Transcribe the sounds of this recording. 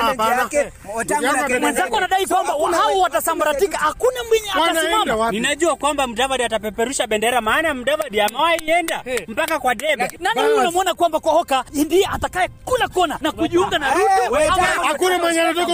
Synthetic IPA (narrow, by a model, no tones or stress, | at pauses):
mwɛnzakɡɔwanaɗaikwambawhawɔwatasambaɾatikahakunamwiɲiaaasimamaninaʄuakwambam̩davaɗiatapɛpɛɾuʃaɓɛndɛɾamaːnam̩davaɗiamawaiɛndam̩pakakwaɗɛɓɛnaniunamuɔnakwambakwɔhɔkaindiɛʔatakaɛkulakɔnanakuʄiuŋɡanalupɔaakunamaɲaɾɔtɔ